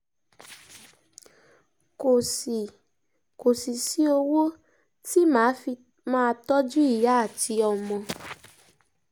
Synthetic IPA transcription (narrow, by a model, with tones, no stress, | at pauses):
ko˨si˨ | ko˨si˨si˦o˧wo˦ | ti˦mã˨˦˧ | mãː˦˧tɔ˦d͡ʒu˦i˦˨ja˨˦a˦˨ti˧ɔ˧mɔ̃˧